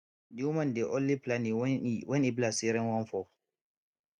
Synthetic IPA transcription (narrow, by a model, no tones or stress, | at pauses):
diumandɛʔonliplaniwɛniblasiɾɛnwanfɔ